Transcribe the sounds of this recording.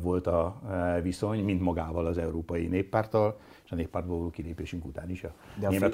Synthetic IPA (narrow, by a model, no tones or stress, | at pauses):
vo̞lt̪ɒviso̞ɲmint̪mɒɡaːvɒlɒzɛuɾoːpɒjineːpːaːrt̪ɒl | eːʃɒneːpːaːrt̪bɒlvɔloːkileːpeːʃyŋkṵt̪aːniʃɒeːmɛt̪